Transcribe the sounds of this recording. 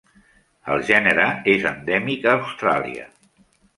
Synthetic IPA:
əlˠʒɛnəɾəezənd̪ɛmikəːwst̪ɾa̰lˠḭə̰

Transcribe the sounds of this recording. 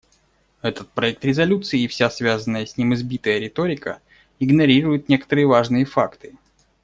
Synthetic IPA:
ɛt̪ət̪̚pɾɐɛk̚t̪ɾʲɪzɐlʲut̪sɨɪːfsʲasvʲazənːəjəsʲnʲimɨzbʲit̪əjəɾʲɪt̪oɾʲɪkə̰ | ɪɡnɐɾʲiɾʊjɪt̪̚nʲe̞kə̥t̪əɾɨjəvaʐnɨjəfakt̪ɨ̥

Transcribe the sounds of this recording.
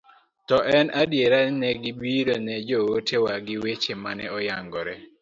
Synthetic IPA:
tɔʔɛnadjeɾanɛɡɪbiɾonɛd͡ʒowotʰewaɡɪwet͡ʃemanɛɔjaŋɡɔɾɛ

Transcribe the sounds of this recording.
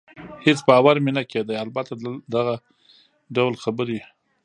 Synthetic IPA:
hɪt͡sbaːwaɾmenaked̪ajalbat̪ad̪aɣa | ɖawlxabəɾi

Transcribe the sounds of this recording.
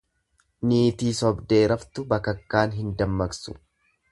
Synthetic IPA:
niːt̪iːsɔbd̪e̞ːɾɐft̪ʊbɐkɐkːaːnɦɪnd̪ɐmːɐksʊ̥̰

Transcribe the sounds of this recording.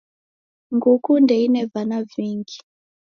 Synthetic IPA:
ŋɡukundɛinɛvanaviŋɡi

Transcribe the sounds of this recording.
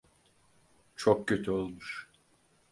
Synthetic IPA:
t͡ʃʰokcøt̪ʰyolˠmuʃ

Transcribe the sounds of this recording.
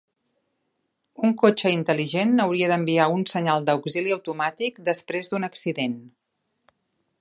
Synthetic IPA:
uŋkot͡ʃəint̪əliʒenəwɾiəðəmbiaunsəɲalˠd̪əwɡziliəwt̪umat̪ikd̪əspɾezðunəksiðen

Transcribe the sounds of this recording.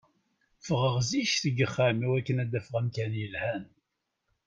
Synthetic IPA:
fəʁəʁziʃθəɡəχːamiwækːənæd̪ːæfəʁæmkænjəlhæn

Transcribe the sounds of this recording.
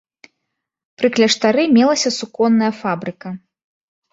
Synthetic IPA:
pɾɨklʲɐʂt̪aɾɨmʲɛlˠɐsʲɐsukɔnːɐjɐfabɾɨkɐ

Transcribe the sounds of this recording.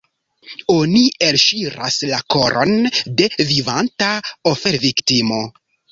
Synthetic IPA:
o̞nielʃiɾaslako̞ɾʔo̞̰nde̞vivantaofe̞ɾviktimo̞

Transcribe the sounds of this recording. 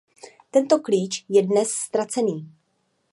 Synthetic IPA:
t̪ɛnt̪o̞kliːt͡ʃjɛdnɛsːt̪ɾat͡sɛniː

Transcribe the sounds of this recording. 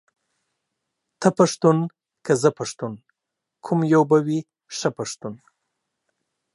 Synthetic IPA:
t̪ʰəpaʂt̪un | kʰazəpaʂt̪un | kʰʊmjawbawi | ʂəpaʂt̪un

